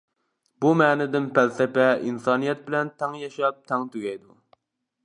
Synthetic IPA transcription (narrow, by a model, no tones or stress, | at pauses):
bumɛːnɪd̪ɪnpælsɪpɛinsɑːnijɛt̪̚bɪlɛnt̪ʰɛŋjɛʃɑp̚t̪ʰɛŋt̪ʰyɡʲɛjd̪u